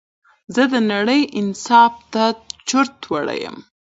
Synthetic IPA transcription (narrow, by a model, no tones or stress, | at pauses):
zəd̪ənaɽəjʔɪnsɑft̪at͡ʃʊɾt̪waɽa̰jə̰m